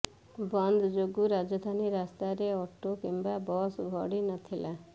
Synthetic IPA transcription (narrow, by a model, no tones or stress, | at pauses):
bɔnd̪ʱɔd͡ʒoɡuɾad͡ʒɔd̪ʱaniɾast̪aɾeɔʈokimbabɔsbʱɔɽinɔt̪ʰila